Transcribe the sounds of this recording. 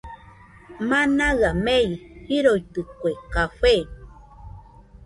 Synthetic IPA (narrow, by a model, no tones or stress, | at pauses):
manaɣamejhiɾojt̪ɨkʷeqafe